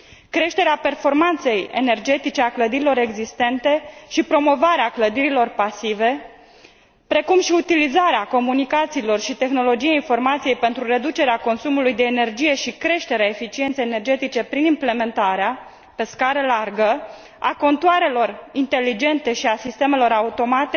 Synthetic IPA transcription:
kɾe̞ʃt̪e̞ɾeape̞rfo̞rmant̪se̞je̞̰ne̞rd͡ʒe̞t̪it͡ʃe̞akləd̪iɾilo̞ɾe̞ɡzist̪e̞nt̪e̞ʃipɾo̞mo̞vaɾeakləd̪iɾilo̞rpasive̞ | pɾe̞kumʃiut̪ilizaɾeako̞munikat̪siːlo̞rʃit̪e̞xno̞lo̞d͡ʒijainfo̞rmat̪sije̞jpe̞nt̪ɾuɾe̞d̪ut͡ʃe̞ɾeako̞nsumulujd̪e̞ːne̞rd͡ʒije̞ʃikɾe̞ʃt̪e̞ɾeaefit͡ʃie̞nt̪sejenerd͡ʒe̞t̪it͡ʃe̞pɾinimple̞me̞nt̪aɾea | pe̞skaɾəlarɡə | a̰ko̞nt̪uaɾe̞lo̞rint̪e̞lːid͡ʒe̞nt̪e̞ʃiasist̪e̞me̞lo̞ɾaut̪o̞mat̪e

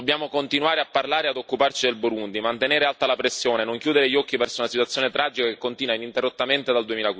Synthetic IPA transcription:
bːjaːmokont̪inuaːɾeapːarlaːɾead̪okːupart͡ʃid̪elboɾund̪imant̪eneːɾealt̪alapɾesːjoːnenoŋkjuːd̪eɾeʎːɔkːivɛrsounasit̪wat̪sːjoːnet̪ɾad͡ʒikakekːont̪iːnwainint̪erːot̪ːament̪ed̪ald̪uemiːlakwi

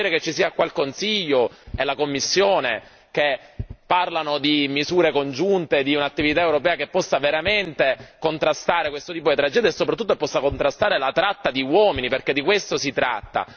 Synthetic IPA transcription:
iːɾeket͡ʃːisiːakwalkonsiʎːoelakomːisːjoːne | k̟epːarlanod̪imizuːɾekond͡ʒunt̪ed̪iunat̪ːivit̪aewɾopɛːakepːɔsːaveɾament̪ekont̪ɾast̪aːɾekwest̪ot̪iːpod̪it̪ɾad͡ʒɛːd̪jaesːopɾat̪ːut̪ːoepːɔsːakont̪ɾast̪aːɾelat̪ɾat̪ːad̪iwɔminiperked̪ːikwest̪osit̪ɾa̰t̪ːa̰

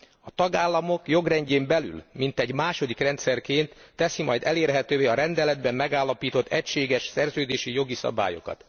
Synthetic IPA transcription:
ɒt̪ɒɡaːlːɒmo̞kjo̞ɡrɛɲɟeːmbɛly̰lmint̪ɛɟmaːʃo̞d̪ikrɛnt̪sɛrkeːnt̪ːɛsimɒjd̪ɛleːrɦɛt̪øːveːɒɾɛnd̪ɛlɛd̪bɛmːɛɡaːlːɒpiːt̪o̞t̪ʰːɛcʃeːɡɛʃsɛrzøːd̪eːʃijo̞ɡisɒ̰ba̰ːjo̞̰kɒ̰t̪

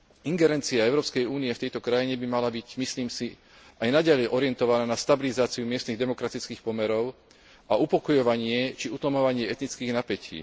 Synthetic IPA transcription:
iŋɡɛɾɛnt͡siaɛʊɾɔːpskɛjuːniɛft̪ɛjt̪ɔkɾajiɲɛbimalabiɟmisliːmsi | ajnaɟalɛjʔɔɾɪɛnt̪ɔʋanaːnast̪abilizaːt͡siumɪɛst̪niɣd̪ɛmɔkɾat̪it͡skiːxpɔmɛɾɔʊ | aupɔkɔjɔʋaɲɪɛt͡ʃiut̪lɔmɔʋaɲɪɛɛt̪nit͡skiːɣnapɛcḭː

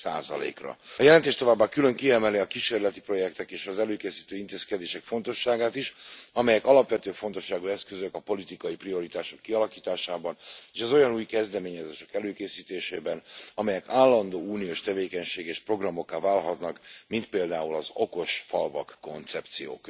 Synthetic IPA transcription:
sa̰ːzɒ̰lḛːkrɒ̰ɒjɛlɛnt̪eːʃt̪o̞vaːbːakylø̞ŋkiɛmɛliɒkiʃeːrlɛt̪i̥pro̞jɛkt̪ɛkeːʃɒzɛløːkeːsiːt̪øːint̪eːskɛd̪eːʃɛkfo̞nt̪o̞ʃːaːɡaːt̪iʃɒmɛjɛkɒlɒpʋɛt̪øːfo̞nt̪o̞ʃːaːɡuɛskøzøkɒpo̞lit̪ikɒjiprio̞ɾit̪aːʃo̞kːiɒlɒkiːt̪aːʃaːbɒneːʃɛzo̞jɒnuːjkɛzd̪ɛmeːɲɛzeːʃɛkɛløːkeːsiːt̪eːʃeːbɛnɒmɛjɛkaːlːɒnd̪oːuːnijoːʃt̪ɛveːkɛɲʃeːɡeːʃpro̞ɡrɒmo̞kːaːvaːlɦɒt̪nɒkmint̪peːld̪aːulɒzo̞ko̞ʃfɒlvɒ̰kːo̞nt̪sɛp̚t̪sijo̰ːk

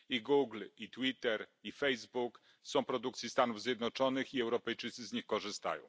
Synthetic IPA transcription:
iɡuɡlit̪wit̪ɛɾifɛjzbuk | sɔ̃w̃pɾɔd̪ukt̪sʲist̪anuvzʲjɛd̪nɔt͡ʂɔnɘxiɛwɾɔpɛjt͡ʂɘt̪sɘzɲixkɔʐɘst̪a̰jɔ̰̃w̃

